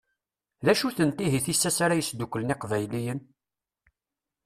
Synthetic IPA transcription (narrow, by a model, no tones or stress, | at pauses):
ðæʃuθənt̪iɦiθisːæsaɾæjəsd̪ukʷːələniqvæjlijən